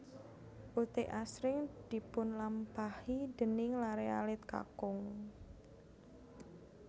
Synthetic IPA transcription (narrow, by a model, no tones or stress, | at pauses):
ʔut̪ɪʔasɾɪŋd̪̥i̤pʊnlampahid̪̥ə̤nɪŋlaɾea̰lɪt̪̚ka̰kʊŋ